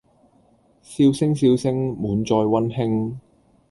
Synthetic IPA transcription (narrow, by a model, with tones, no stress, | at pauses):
siː˧wsɪ˥ŋsiː˧wsɪ˥ŋmuː˨˧nt͡ʃɔː˧jwɐ˥nhɪ˥ŋ